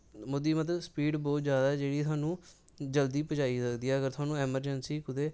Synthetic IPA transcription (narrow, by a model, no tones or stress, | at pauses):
mʊd̪iːmət̪̬ləspiːɖbɔːt̪zjaːd̪aːɛːd͡ʒeːɽiːt̪ʊaːnũː | d͡ʒəld̪iːpət͡ʃaːiːsəkd̪iːɛːəɡəɾt̪ʰʊaːnũːɛːməɾd͡ʒənsiːkʊd̪eː